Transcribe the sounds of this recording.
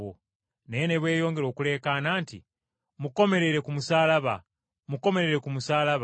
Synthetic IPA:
o | nejene̞βwe̞ːjo̞ːŋɡe̞ɾoːkule̞ːkanaːntḭ | muko̞me̞ɾe̞ɾe̞kumusaːlaβa | muko̞me̞ɾe̞ɾe̞kumusaːlaβ

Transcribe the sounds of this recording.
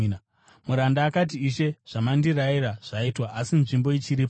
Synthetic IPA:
muɾandaːkat̬iːʃe̞ʐ̥amandiraiɾaʐ̥aitwaʔasinʐimbo̞it͡ʃiɾip

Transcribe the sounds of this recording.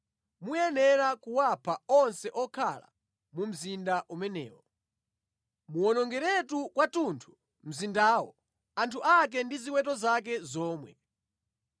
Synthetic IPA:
mujɛnɛɾakuwapʰaɔnsɛʔɔkʰa̰la̰ | mum̩zindaʔumɛnɛ̰ːwɔ | muwɔnɔŋɡɛɾɛtukwatuntʰu̥ | m̩zindaːwɔ̰ | antʰuʔak̬ɛndiziwɛtɔzak̬ɛzɔːmwɛ̰

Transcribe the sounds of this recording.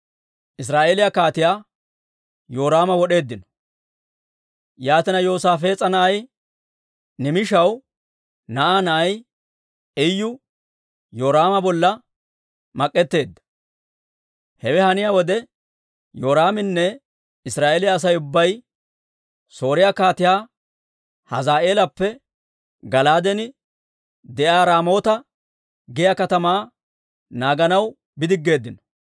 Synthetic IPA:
ʔɪs̬ɾaːʔe̞ːlɪjakaːt̪ɪjaː | jo̞ːɾaːmɐwɔɗe̞ːd̪ːɪnɔ̥ | jaːt̪ɪnɐjo̞ːsaːfe̞ːt͡sʼɐnɐʔɐj | nɪmɪʃɐw | nɐʔaːnɐʔːj | ɛjːʊ | jo̞ːɾaːmɐbɔlːɐ | mɐkʼːɛt̪ːe̞ːd̪ːɐ̥ | hɛwɛhɐnɪjawɔd̪ɛ | jo̞ːɾaːmɪnːɛ | ɪsɾaːʔeːlɪjaːs̬ɐjʊbːɐj | so̞ːɾɪjakaːt̪ɪjaː | hɐ̰zaːʔe̞ːlɐpːɛ | ɡɐlaːd̪ɛnɪ | d̪ɛʔaːɾaːmo̞ːt̪ɐ | ɡɪjɐkɐt̪ɐmaː | naːɡɐnɐw | bɪd̪ɪɡːe̞ːd̪ːɪnɐ̥

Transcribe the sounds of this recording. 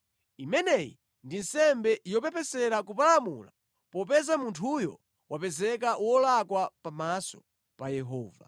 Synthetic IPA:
imɛnɛjḭ | ndin̩sɛmbɛjɔp̬ɛpʰɛsɛɾakupalamṵla̰ | pɔp̬ɛzamuntʰujɔ̰ | wapɛzɛkaʔwɔlakwapamasɔ̥ | pajɛɦɔːva̰

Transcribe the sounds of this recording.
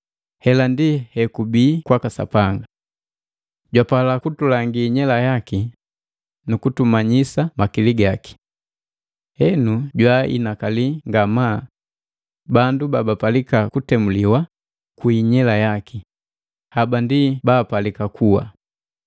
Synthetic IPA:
hɛlandihɛkubiːkwakasa̰paŋɡa | ɟwapalakutulaŋɡiːɲɛlajaki | nukutumaɲisamakiliɡaki̥ | hɛnuɟwaḭnakaliŋɡama | bandubabapalikakutɛmuliwa | kuiɲɛlajaki | habandibaːpalikakʰuwa̰

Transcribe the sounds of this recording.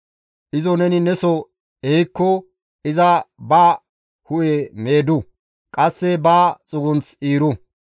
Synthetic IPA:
ʔɪzɔnɛnɪnɛsɔ | ɛjkːɔ | ɪzɐbaː | hʊʔeme̞ːd̪ʊ | kʼɐsːɛbaːt͡sʼʊɡʊnt͡siːɾʊ

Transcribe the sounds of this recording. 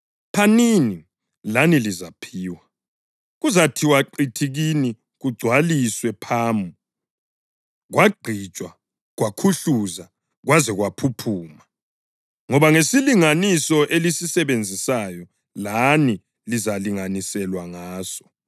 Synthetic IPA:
pʰanini | lanilizapʰiːwa | ɣuzatʰiwaǃitʰiɣini | ɣuɡ͡ǀʱwaliswɛpʰaːmu | ɣwaɡ͡ǀʱit͡ʃʼwa | ɣwakʰuɬuza | ɣwazɛɣwapʰupʰuːma | ŋɔβaŋesiliŋanisɔʔelisisɛβend͡zʱisajɔ | lani | lizaliŋanisɛlwaŋaːsɔ̥

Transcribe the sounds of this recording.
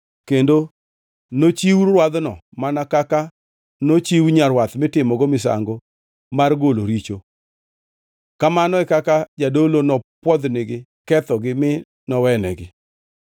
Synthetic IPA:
kendo | not͡ʃiwrwad̪nɔmanakaka | not͡ʃiwɲaɾwat̪mɪtɪmɔɡomɪs̬a̰ŋɡo | marɡoloɾit͡ʃo | kamanɔɛkakad͡ʒadolonɔpwɔd̪nɪɡɪkɛt̪ɔɡɪmɪ | nɔwɛnɛ̰ɡɪ

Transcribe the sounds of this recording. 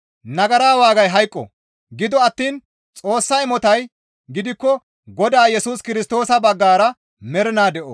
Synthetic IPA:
nɐɡɐɾaːwaːɡɐjɦɐjkʼːɔ̰ | ɡɪd̪ɔɐt̪ːiːn | t͡sʼo̞ːsːɐɪmɔt̪ɐj | ɡɪd̪ɪkːɔ | ɡɔd̪aːjɛsuːskɪɾɪst̪o̞ːsɐbɐɡːaːɾɐ | mɛɾɪnaːd̪ɛʔo

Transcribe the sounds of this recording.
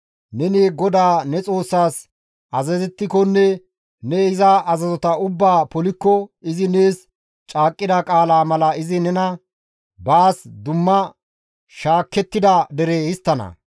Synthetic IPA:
nɛneɡɔd̪aːnɛt͡sʼo̞ːsːaːs | ʔɐzɐzɛt̪ːɪkɔnːɛ | nɛɪzɐʔɐzɐzɔt̪ɐʊbːaːpɔlɪkːɔɪzɪne̞ːs | t͡ʃʼaːkʼːɪd̪ɐkʼaːlaːmɐlɐɪzɪnɛnɐ | baːsd̪ʊmːɐ | ʃaːkːɛt̪ːɪd̪ɐd̪ɛɾeːhɪst̪ːɐnɐ̰

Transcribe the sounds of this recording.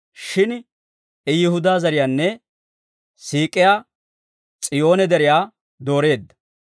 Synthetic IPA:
ʃɪn | ɛjɪhʊd̪aːzɐɾɪjaːnːɛ | siːkʼɪjaː | t͡sʼɪjo̞ːnɛd̪ɛɾɪjaː | d̪o̞ːɾe̞ːd̪ːɐ̥

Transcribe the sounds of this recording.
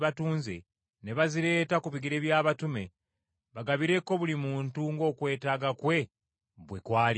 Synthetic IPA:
βatuːnzḛ | ne̞βaziɾe̞ːtakuβiɡiɾe̞βjaːβatume̞ | βaɡaβiɾe̞ko̞βulimuːntuŋɡo̞ːkwe̞ːtaːɡakwe̞ | βwekwaːli

